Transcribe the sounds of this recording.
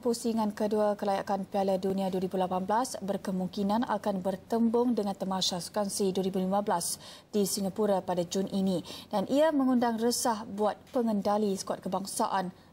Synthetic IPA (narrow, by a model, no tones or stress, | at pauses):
pusiŋãnkəduakəlajakanpialadunĩaduəɾibulapanblasbərkəmuŋkinãnʔa̰kanbərt̪əmbʊŋdəŋant̪əmãsaskansiduəɾibulimãblas | d̥isiŋɡapuɾapadad͡ʒunʔinid̥anʔiamə̃ŋundaŋrəsahbuat̪̚pəŋəndalisə̥kuat̪̚kəbaŋsa̰ʔan